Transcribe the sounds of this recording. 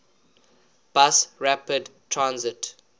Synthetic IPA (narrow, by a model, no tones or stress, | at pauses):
b̥asɹapədtʰɹãnzɪt